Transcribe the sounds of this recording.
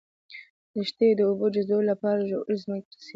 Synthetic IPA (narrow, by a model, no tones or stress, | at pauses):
d̪̥əʃt̪ed̪əobod͡ʒazolapɑɾaʒoɾizməkəs